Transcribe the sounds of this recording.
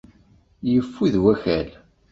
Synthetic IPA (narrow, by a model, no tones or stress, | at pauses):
jəfːuðwæçæl